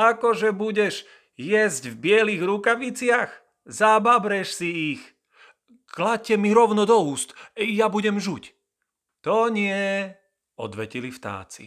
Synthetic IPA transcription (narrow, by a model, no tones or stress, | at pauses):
akɔʒɛbuɟɛʒ | jɛzɟvbɪɛliɣɾukaʋit͡sɪax | zababɾɛʃsiix | klac̚cːɛmiɾɔʊnɔd̪ɔuːst̪jabuɟɛmʒuc | t̪ɔɲɪɛ | ɔ̰d̪ʋɛcilift̪a̰ːt͡sḭ